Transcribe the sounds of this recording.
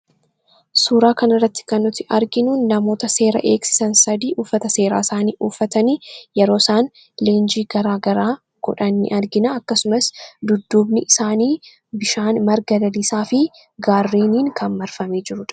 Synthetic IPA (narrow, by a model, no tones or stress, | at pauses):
suːɾaːkɐnɐrːɐt̪ːɪ̥kɐnːʊt̪ːɪʔɐɾɡɪnuːnːɐmo̞ːt̪ɐse̞ːɾɐ̰ʔe̞ːksɪ̥sɐnsɐd̪iːʔuːfːɐt̪ɐse̞ːɾa̰ːɪsaːniːʔuːfːɐt̪ɐnijɛɾo̞ːsaːn | leːnd͡ʒiːɡɐɾaːɡɐɾaː | ɡ̥ɔ̰ᶑɐnːɪ̰ʔɐɾɡɪnɐɐkːɐsʊmɐsd̪ʊd̪ːuːbnɪʔɪsaːniː | bɪʃaːnmɐɾɡɐd̪ɐlɪsaːfɪ | ɡaːrːiːniːŋkʰɐnmɐɾfɐme̞ːd͡ʒɪɾʊᶑɐ̥